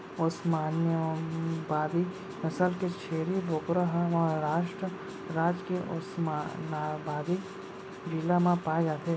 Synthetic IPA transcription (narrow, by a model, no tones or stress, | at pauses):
ʊsmaːnjəbaːd̪i | mɐsəlket͡ʃʰeːɾibʱokɾəɦmɐɦɾaːʃʈɾə | ɾaːd͡ʒkeʔʊ̰smanaːbaːd̪ik | d͡ʒilamãpaːed͡ʒaːt̪ʰeː